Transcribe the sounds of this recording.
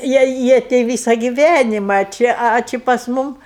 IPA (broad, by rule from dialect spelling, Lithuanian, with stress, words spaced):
ˈjiɛ ˈjiɛ tʲɛɪ ˈʋʲiːsɐ ɡʲɪˈʋʲænʲɪmɐ ɐ ˈt͡ʃʲɪ ɐ ˈt͡ʃʲɪ pɐs ˈmʊm